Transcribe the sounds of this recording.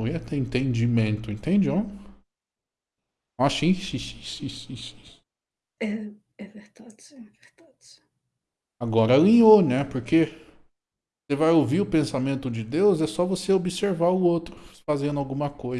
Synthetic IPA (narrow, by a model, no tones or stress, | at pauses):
iɐt̪eẽnt̪ẽnd͡ʒimẽnt̪ʊẽnt̪ẽd͡ʒõ | asĩsĩsĩ̥sĩsĩsĩ̥ | ɛ | ɛveɾd̪ad͡ʒsɛ̃veɾd̪̥ad͡ʒs | aɡɔɾɐlĩonɛpoɾkʰe | sevajowviɾʊpẽsamẽnt̪ʊd͡ʒɪd̪ewzɛsɔvoseobiseɾvaɾʊowt̪ɾʊfazẽnd̪ʊawɡũmɐkojz